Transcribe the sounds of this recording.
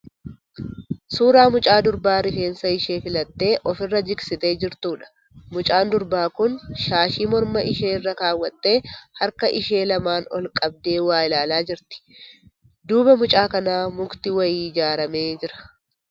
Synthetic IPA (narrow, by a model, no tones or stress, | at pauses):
suːɾaːmʊt͡ʃʼaːd̪ʊɾbaːɾɪfe̞ːnsɐɪʃe̞ːfɪlɐt̪ːe̞ːʔɔfɪrːɐd͡ʒɪksɪt̪e̞ːd͡ʒɪɾt̪uːᶑɐ̥ | mʊt͡ʃʼaːnd̪ʊɾbaːkʊnʃaːʃiːmɔɾmɐʔɪʃeːrːɐkaːwːɐt̪ʼːe̞ːhɐɾkɐʔɪʃe̞ːlɐmaːnɔ̰lkʼɐb̚d̪e̞ːwaːɪlaːlaːd͡ʒɪɾt̪ɪ̥ | d̪uːbɐmʊt͡ʃʼaːkɐnaːmʊɡt̪ɪwɐjiːɪd͡ʒaːɾɐme̞ːd͡ʒɪɾɐ̥